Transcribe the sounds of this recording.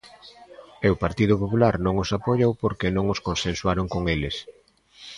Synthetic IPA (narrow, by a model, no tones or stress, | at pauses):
eʊpaɾt̪ið̞ʊpopulaɾnõŋosapoʎowpoɾkenõŋoskonsẽnswaɾoŋkoŋelɪs